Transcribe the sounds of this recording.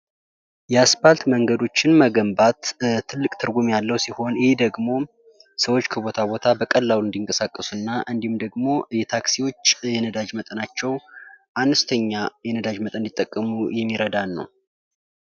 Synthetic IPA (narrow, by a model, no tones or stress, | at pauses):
jɛaspalt̪məŋɡəd̪o̞t͡ʃːɪnməɡəmbat̪t̪ʰːɨlːɨkʼt̪ʰɨɾɡumjalːəwsiho̞njhed̪əɡmo̞ | səwo̞t͡ʃːkʰəbo̞t̪ʰabo̞t̪ʰabəkʼəlːawɨnd̪iŋkʼəsakʼːəsuɨnːaʔɨnd̪ihmd̪əɡmo̞jɛt̪ʰaksiwo̞t͡ʃːjɛnəd̪ad͡ʒmət̪ʼənat͡ʃːɛwʔanəst̪ʰəɲːajɛnəd̪ad͡ʒmət̪ʼənd̪it̪ʼːəkʼːəmujɛmːiɾəd̪anːə̰w